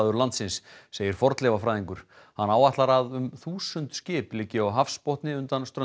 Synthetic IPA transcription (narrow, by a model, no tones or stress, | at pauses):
ðʏɾlant̪sɪnsːeːjɪɾ̥fɔɾt̪lɛvafɾajðiŋkʏɾ̥ | hanːaːwat̪laɾaðʏmθuːsʏnt̪scɪːplɪcːɪawɦafspɔht̪nɪʏnt̪anst̪ɾœ